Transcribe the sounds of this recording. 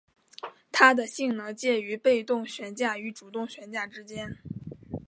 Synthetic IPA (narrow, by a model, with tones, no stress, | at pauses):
t̪ʰa˥d̪ə˨ɕi˥˩ŋnɤ˧˥ŋt͡ɕjɛ˥˩y˧˥pe˥˧ɪt̪ʊ˥˩ŋɕɥɛ˧˥nt͡ɕja˥˩y˧˥ʈ͡ʂu˨˩t̪ʊ˥˩ŋɕɥɛ˧˥nt͡ɕja˥˩ʈ͡ʂɻ̩˥t͡ɕjɛ˥n